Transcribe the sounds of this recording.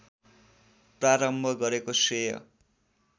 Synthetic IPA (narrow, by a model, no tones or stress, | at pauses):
praɾʌmbʱʌɡʌɾekosejʌ̰